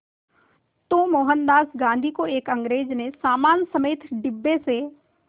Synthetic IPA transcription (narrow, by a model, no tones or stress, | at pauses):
t̪õːmoːɦənd̪aːsɡãːnd̪ʱikoeːkə̃ŋɡɾeːznesaːmaːnsəmeːt̪ɖɪbːese